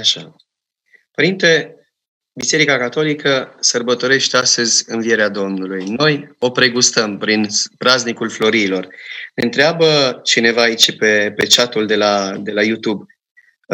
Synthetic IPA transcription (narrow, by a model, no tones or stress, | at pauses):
aʃa | pəɾint̪e̞ | bise̞ɾikakat̪o̞likəsərbət̪o̞ɾe̞ʃt̪east̪əzʲɨnvie̞ɾead̪o̞mnulujno̞jo̞pɾe̞ɡust̪əmpɾinpɾaznikulflo̞ɾiːlo̞rneɨnt̪ɾeabət͡ʃine̞vaːit͡ʃepe̞pe̞t͡ʃat̪uld̪e̞lad̪e̞lajut̪ub